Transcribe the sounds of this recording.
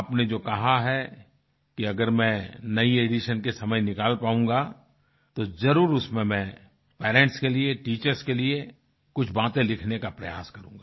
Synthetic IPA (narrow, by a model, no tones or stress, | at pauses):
aːpned͡ʒoːkɐɦaɦɛ | kiɐɡəɾmɛ̃nɐieːɖiʃənkesɐməjnɪkaːlpaːũːŋɡa | t̪ozɐɾuːɾʊsmẽmɛ̃ | pɛːɾẽːɳʈskelieʈiːt͡ʃəɾskelie | kʊt͡ʃʰbaːt̪ẽlɪkʰnekapɾɐja̰ːskɐɾũːŋɡaː